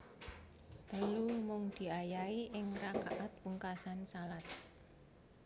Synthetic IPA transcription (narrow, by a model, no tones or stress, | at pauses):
t̪əlumʊŋd̪̥i̤ajaiʔɪŋraka̰ʔat̪̚wuŋkasansalat̪̚